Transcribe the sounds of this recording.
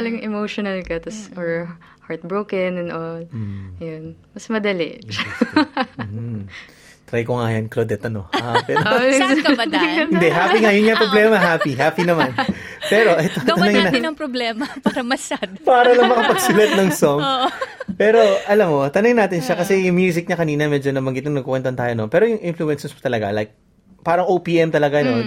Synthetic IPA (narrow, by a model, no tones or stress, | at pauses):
lɐŋŋɛmowʃonɐlkɐt̪ɐsɔɹ | haɹt̪̚bɹowkɛnɛnʔolːɐjonmɐsmɐd̪ɐlɛ̰ | h̩ | t̪ɾɐjkoŋaːjɐnklod̪ɛt̪ɐno̰aɛkɐaɐɪnd̪ɛɦaːpiŋajʊnŋapɾoblɛːmɐɦaːpiɦaːpinɐman | pɛːɾo̞ʔɐjt̪oɐnɐŋɪnaɐŋpɾoblɛːmɐpaːɾɐmɐʃad̪paːɾɐlɐŋmɐkɐpɐɡsɪlɐt̪̚nɐŋsoŋ | pɛːɾo̞ʔɐlamːot̪ɐnɐŋɪnaːt̪ɪnʃɐkɐsɛjʊŋmjuːs̬ɪk̚ɲɐkɐniːnɐmɛd͡ʒonɐbɐŋɡɪt̪ɐŋnɐɡ̚kokwɛnt̪ɐnt̪aːjonopɛːɾojʊŋʔɪnfluɛnsɛspt̪ɐlɐɡa̰lajk̚ | paːɾɐŋowpiːʔɛmt̪ɐlɐɡano